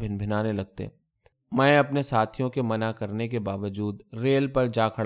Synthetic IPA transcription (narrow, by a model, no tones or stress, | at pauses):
bʱɪnbʱɪnaːnelɐɡ̚t̪ḛː | mɛ̃ːɐpnesaːt̪ʰijõkemɐnakɐɾnekebaːʋəd͡ʒuːd̪ɾeːlpɐɾd͡ʒaːkʰɐɽ